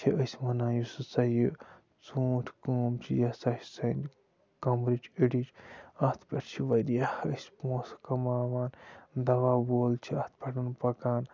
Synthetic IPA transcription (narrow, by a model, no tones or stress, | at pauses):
t͡ʃʰiəsʲmɐnaːjusɨsɐji | t͡suːʈʰkoːmt͡ʃʰijɐsɐssɐn | kɐmɾit͡ʃʰiɽit͡ʃɐht̪ʰpʲeʈt͡ʃʰiʋɐd̪ijahəsʲmoːskɐmaːʋaːnd̪ɐʋaːboːlt͡ʃʰiɐt̪̚ʰpʲeʈɐnpɐkaːn